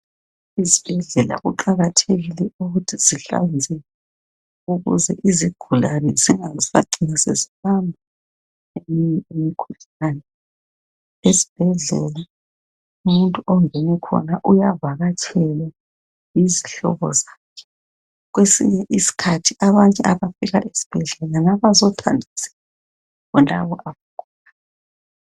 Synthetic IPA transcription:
izib̥ʱɛɮɛla̰ɣuǃaɣatʰeɣilɛuɣutʰiz̥iɬa̰nd͡zʱɛ | uɣṵzɛ̰ʔiziɡ̥ʱulanɛziŋazifa̰ǀinasḛziβambʱa | emiiemikʰuɬanɛ | ezi̥b̥ʱɛɮɛ̰la | umuntʼuʔɔŋʱɛnɛkʰɔ̰naʔujavaɣat͡ʃʰɛla | iziɬɔ̰βɔ̰zakʰɛ̥ | ɣ̬wesḭɲɛʔisi̥kʰatʰiaβaɲɛʔaβafiɣa̰ʔesi̥b̥ʱɛɮɛlanaβazɔtʰa̰ndʱaz̥ɛ̥a | kɔntʼa̰βɔʔaβaɡ̥ʱuːla

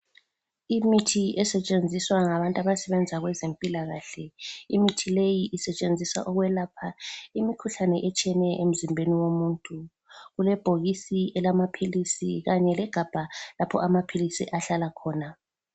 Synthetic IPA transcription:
imitʰiɛsɛt͡ʃʼend͡zʱiswaŋaβantʼaβasɛβɛnd͡zʱaɣwɛzempʼilaɣaɬɛimitʰilejiʔisɛt͡ʃʼend͡zʱisa̰ʔɔɣwɛlapʰaimikʰuɬanɛʔɛt͡ʃʼɛnɛʔem̩zimbʱeniwomuːntʼu | ɣulɛb̥ʱoɣisiɛlamapʰilisiɣaɲɛlɛɡ̥ʱab̥ʱalapʰɔ̰ʔamapʰilisiʔaɬalakʰɔːna

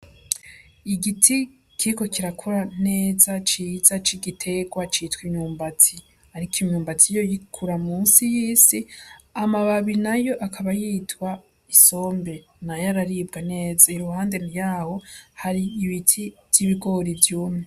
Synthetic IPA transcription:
iɡitʰi | kʰiko̞kiɾakʰuɾane̞ːzat͡ʃiːzat͡ʃiɡitʰe̞ɡwat͡ʃiːtwiɲuːmbati | haɾikiɲuːmbatijo̞jikʰuɾamuːnsijiːsiamaβaβinajo̞ʔakʰaβajiːtwa | iso̞ːmbe̞ | najaɾaɾiːb̚ɡane̞ːzaiɾuhaːnde̞nijaho̞haɾiːβitʰiz̥iβiɡo̞ɾivjuːmu

